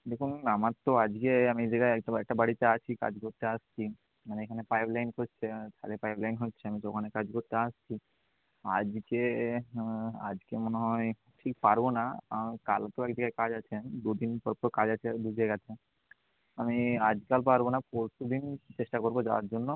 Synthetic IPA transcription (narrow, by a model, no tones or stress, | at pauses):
d̪ekʰunːamat̪ːɔad͡ʒkeamid͡ʒəɡaɛkʈaɛk̚ʈabaɽit̪aat͡ʃʰika̰d͡ʒɡoɾt̪ːeəst͡ʃʰi | maneekʰanepajblajnkɔt͡ʃʰetʰa̰ɾepajblajnɦotːt͡ʃʰeamit͡ʃɔkʰanekad͡ʒɡoɾt̪aəst͡ʃʰi | a̰d͡ʒke | a̰d͡ʒkemɔneɦɔj | ʈʰikpaɾbonaamikalt̪oekd͡ʒəɡajkad͡ʒat͡ʃʰed̪ud̪inpɔɾpɔɾkad͡ʒat͡ʃʰed̪ud͡ʒaɡat̪ʰe | amiad͡ʒkalpaɾbonapɔɾsud̪int͡ʃeʃʈakɔɾbɔd͡ʒa̰ʋa̰ɾd͡ʒonːɔ